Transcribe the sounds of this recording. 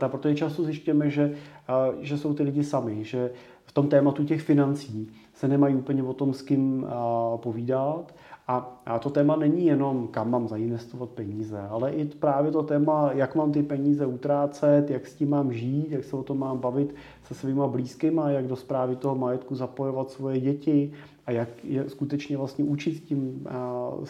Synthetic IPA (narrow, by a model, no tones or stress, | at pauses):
apɾot̪oʒɛt͡ʃast̪ozjɪʃcujɛmɛʒɛ | ʒɛsowt̪ɪlɪɟɪsamɪʒɛ | ft̪o̞mt̪ɛːmat̪ucɛxfɪnant͡siː | sɛnɛmajiuːpəɲɛvo̞t̪o̞mskɪm | po̞viːdat̪ | ʔat̪o̞t̪ɛːmanɛɲɪjɛno̞mkamːaːmzaɪnvɛst̪ovat̪̚pɛɲiːzɛalɛʔɪpɾaːvjɛt̪o̞t̪ɛːmajakmaːmt̪ɪpɛɲiːzɛut̪ɾaːt͡sɛt̪jakscɪmːaːmʒiːt̪jaksɛvot̪o̞mːaːmbavɪt̪ | sɛsviːmabliːskɪmajaɡdospɾaːvɪt̪o̞ɦomajɛt̪kuzapo̞jo̞vat̪svo̞jɛɟɛcɪ | ʔajakjɛskut̪ɛt͡ʃɲɛvlast̪ɲɛʔut͡ʃɪt̪scɪm